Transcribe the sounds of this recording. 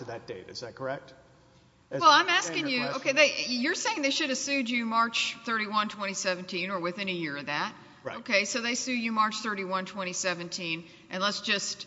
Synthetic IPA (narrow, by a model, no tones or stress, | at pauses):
ɨðɨt̚d̥eɪɾɨ̰zðæt̚kʰə˞ɛk̚t | wɛlˠãɪ̃mæskɪ̃ŋjʉoʊkʰeɪðeɪjə˞seɪɪ̃ŋðeɪʃʊɾɨsʉd͡ʒɨmɑɹt͡ʃθɜ˞ɾiwʌ̃ntʰw̥ɛ̃ɾ̃isɛvɨ̃n̩tʰĩnə˞wɨθɪ̃ñɨjɪɹʌvðæt̚ | oʊkʰeɪsoʊðeɪsʉd͡ʒɨmɑɹt͡ʃθɜ˞ɾiwʌ̃ntʰw̥ɛ̃ɾ̃isɛvɨ̃ntʰĩn | ʔɨ̃nlətsd̥ʒ̥ʌst̚